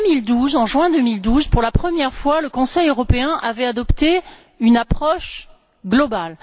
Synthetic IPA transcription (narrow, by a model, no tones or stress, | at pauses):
mild̪uzɑ̃ʒɥɛ̃d̪əmild̪uzpuʁlapχəmjɛʁfwaləkɔ̃sɛjøʁɔpeɛ̃ʔavɛad̪ɔpt̪e | ynapχɔʃ | ɡlɔbal